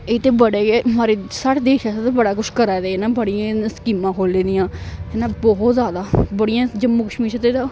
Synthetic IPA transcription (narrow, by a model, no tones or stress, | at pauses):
et̪eːbəɽeːemaːɾeːsəʈd̪eːʃaːsat̪ebəɽaːkʊʃkəɾaːd̪eːeːnaːbəɽɪjãːskiːmãːkʰoːleːd̪ɪjãːɦeːnaːbɔɦɔt̪zjaːd̪aːbəɽɪjãːd͡ʒəmːuːkəʃmiːɾʃət̪eːd̪a